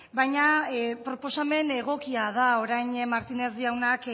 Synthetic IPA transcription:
bajɲapɾo̞po̞same̞ne̞ɣ̞o̞kiað̞aoɾajɲmaɾt̪inezd̪iawnak

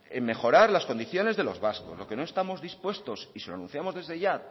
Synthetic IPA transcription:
emme̞xo̞ɾaɾlasko̞nd̪iθjo̞ne̞zðe̞lozβasko̞̰zlo̞keno̞e̞st̪amo̞zðispwe̞st̪o̞sisiloanũn̟θjamo̞zðe̞zðeʝa

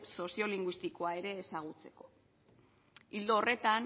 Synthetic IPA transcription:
so̞sio̞liŋɡwist̪iko̞ae̞ɾe̞ːsaɣ̞ut͡se̞ko̞̥ | ild̪oːre̞t̪an

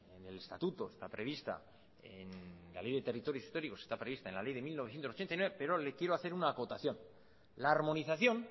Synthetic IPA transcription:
enele̞st̪a̰t̪ut̪o̞est̪apɾe̞β̞ist̪a̰ | enla̰le̞jðe̞t̪e̞rit̪o̞ɾjosi̥st̪o̞ɾiko̞sest̪apɾe̞β̞ist̪aenlale̞jðemilnoθjent̪osot͡ʃent̪ajnweepe̞ɾo̞lekjeɾo̞aθe̞ɾunaːko̞t̪aθjo̞n | laːɾmo̞niθaθjo̞n

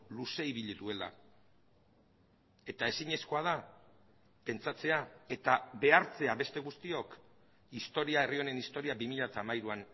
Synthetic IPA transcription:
luse̞iβiʎiðue̞la̰ | e̞t̪ae̞siɲe̞sko̞að̞a | pe̞nt͡sat͡se̞ae̞t̪aβe̞aɾt͡se̞aβe̞st̪e̞ɣ̞ust̪io̞k | ist̪o̞ɾiae̞rio̞ne̞nist̪o̞ɾiabimiʎat̪aːmajɾuan

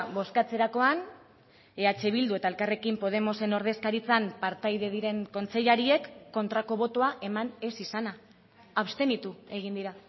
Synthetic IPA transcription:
βo̞skat͡se̞ɾako̞an | eat͡ʃe̞β̞ild̪ue̞t̪ae̞lkare̞kimpo̞ð̞e̞mo̞se̞no̞ɾðe̞skaɾit͡sampaɾt̪ajðe̞ð̞iɾe̞ŋko̞nt͡se̞ʎaɾie̞kːo̞nt̪ɾako̞βo̞t̪oaʔe̞mane̞sisanaː | βst̪e̞nit̪ue̞ɣ̞ind̪iɾa

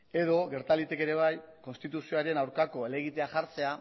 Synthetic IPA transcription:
e̞ðo̞ɣe̞ɾt̪alit̪eke̞ɾe̞β̞ajko̞nst̪it̪usioaɾe̞nawɾkako̞ele̞ɣ̞it̪e̞aʝaɾt͡se̞a

